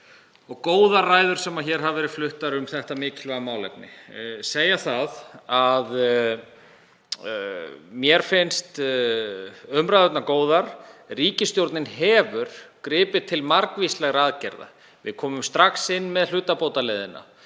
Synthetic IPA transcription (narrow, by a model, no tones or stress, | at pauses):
ɔɣkoːwðaraːjðʏɾ̥sɛmaçɛɾ̥ɦavɛːɾɪðflʏht̪aɾʏmθɛht̪amɪːcʰɪlvaɣamaːwlɛ̰p̚nɪ̰seːjaθaðað | mjɛɾ̥fɪnst̪ | œmɾajðʏt̪nakoːwðaɾ̥riːcɪst̪jowɾt̪nɪnhɛːvʏɾ̥kɾɪːpɪt̪ʰɪlmaɾkvislɛɣɾaːðcɛɾða̰ | vɪ̰ðkʰɔːmʏmst̪ɾaxsɪnːmɛðl̥ʏːt̪apowt̪alejðɪnːa̰